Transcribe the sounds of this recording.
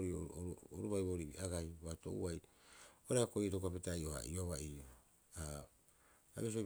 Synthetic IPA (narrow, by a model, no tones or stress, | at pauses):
ɾioɾuβajβoɾibḭʔaɡajβato̰uajoɾaakoijetokuapetajoha̰ʔioβaio | a | a̰mes̬io